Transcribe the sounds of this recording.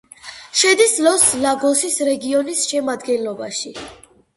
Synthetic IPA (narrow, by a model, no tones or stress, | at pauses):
ʃɛd̪islɔslaɡɔsisɾɛɡiɔnisʃɛmad̪ɡɛnlɔbaʃi